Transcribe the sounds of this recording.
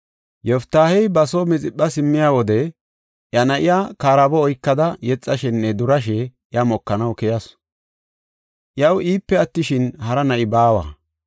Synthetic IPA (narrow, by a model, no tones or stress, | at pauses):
jɔft̪ːaːhɛjbɐsomɪt͡sʼɪɓːɐsɪmːɪjaːwɔd̪ɛ | ʔjɐnɐʔɪjaːkaːɾɐbɔːjkːɐd̪ɐjɛt͡sʼːɐʃɛnːɛd̪ʊɾɐʃ̬ɛʔjɐmɔkːɐnɐwkɛjɐs | ʔjɐwiːpːɛɐt̪ːɪʃɪnhɐɾɐnɐʔɪbaːwa̰ː